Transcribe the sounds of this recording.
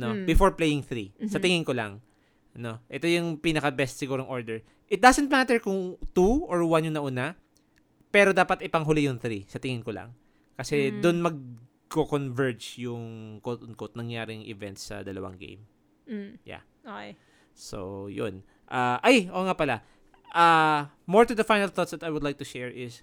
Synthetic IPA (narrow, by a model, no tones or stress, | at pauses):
nobɪfoɹplejɪŋθɾisɐt̪ɪŋɪŋkolaŋ | ʔɐno̞ʔɛt̪o̞jʊŋpiːnɐkɐbɛst̪̚sɪɡuːɾoŋʔo̞ɹd̪ɛɹ | ʔɪt̪̚d̪asɛnt̪̚mat̪ɛɹkʊŋt̪uʔoɹwanjʊŋnɐʔuːna | pɛːɾo̞d̪aːpɐt̪ɪpɐŋɦʊlijʊŋθɾisɐt̪ɪŋɪŋkolɐ̰ŋ | kɐsɛd̪ʊnmɐɡ̚ | kokonvɛɹd͡ʒjʊŋkot̪ʊnkot̪̚nɐŋjaːɾɪŋʔɪ̰vɛnt̪sːɐ̰d̪ɐlɐ̰wa̰ŋɡḛjm | ja̰ | oɛ | so̰jo̰n | ʔaʔajʔoːŋapɐla | ʔa | moɹt̪ud̪ɐfajnɐlθot̪sd̪ɐt̪ɐjwʊd̪lajk̚t̪ʊʃɛɹɪs